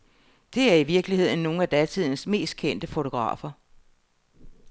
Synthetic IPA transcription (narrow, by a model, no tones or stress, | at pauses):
d̥e̝æɐiʋiɐɡ̥lihe̝ð̞̰ˠn̩ːo̝ːŋ̩æd̥æt͡sʰið̞̰ˠnəsme̝̰ːsd̥̚kʰen̰d̥əfo̝t͡sʰo̝ɡ̥ʁɑ̰̈ːfɐ